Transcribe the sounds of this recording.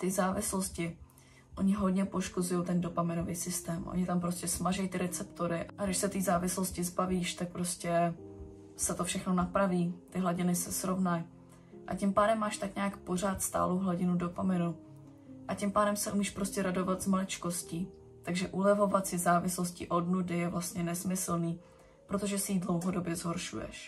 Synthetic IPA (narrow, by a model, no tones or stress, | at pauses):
t̪ɪzaːvɪslo̞scɪ | ʔo̞ɲɪɦo̞dɲɛpo̞ʃkozujo̞wt̪ɛndo̞pamɪno̞viːsɪst̪ɛːmʔo̰ɲɪt̪ampɾo̞scʲɛsmaʒɛjt̪ɪɾɛt͡sɛpt̪oɾɪʔʔaɡdɪʃsɛt̪iːzaːvɪsloscɪzbaviːʃt̪ak̚pɾo̞scɛ | sɛt̪o̞fʃɛxno̞napɾaviːt̪ɪɦlaɟɪnɪsɛsɾo̞vnaj | ʔacimpaːdɛmːaːʃt̪akɲɛakpo̞r̝aːt̪st̪a̰ːlowɦlaɟɪnudo̞pamɪnu | ʔacimpaːdɛmsɛʔumiːʃpɾo̞scɛɾado̞vat̪zmalɪt͡ʃko̞sciː | t̪aɡʒɛʔulɛvo̞vat̪sɪzaːvɪsloscɪʔo̞dnudɪjɛvlast̪ɲɛnɛsmɪsl̩niː | pɾo̞t̪o̞ʒɛsɪiːdlo̞wɦo̞do̞bjɛzɦo̞ɾʃujɛ̰ʃ